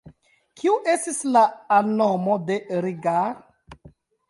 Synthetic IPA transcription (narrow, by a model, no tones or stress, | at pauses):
kʰiuʔe̞stislaːnːomode̞ɾiɡa